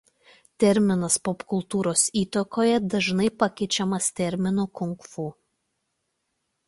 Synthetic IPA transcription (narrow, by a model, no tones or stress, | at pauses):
t̪ʲɛɾʲmʲɪnɐspɔpkʊlˠt̪uːɾoːsiːt̪ɐkoːjɛd̪ɐʒnɐɪpɐkʲɛɪt͡ʃʲɛmɐst̪ʲɛɾʲmʲɪnuːkʊŋkfuː